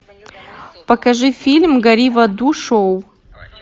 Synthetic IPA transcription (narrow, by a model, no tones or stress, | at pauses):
pɐkɐʐɨfʲilʲmɡɐɾʲivɐd̪uʂow